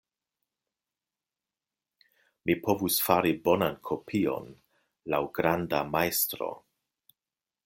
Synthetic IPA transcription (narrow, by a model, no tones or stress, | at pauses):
mipʰo̞vusfaɾibo̞nankʰo̞pʰio̞̰n | lawɡɾandamajstɾo̰